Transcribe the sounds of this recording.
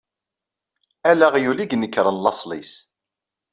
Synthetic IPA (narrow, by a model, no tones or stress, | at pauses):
ælæʁjuliɡnəkːɾˤənlɑsˤlḭs